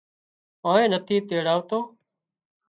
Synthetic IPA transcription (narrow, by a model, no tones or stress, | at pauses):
aːẽːnət̪ʰiːt̪eːɽaːʋt̪oː